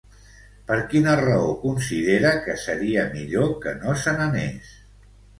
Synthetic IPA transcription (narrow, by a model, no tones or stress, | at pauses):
pəɾkinərəokunsið̞eɾəkəsəɾiəmiʎokənosənənḛs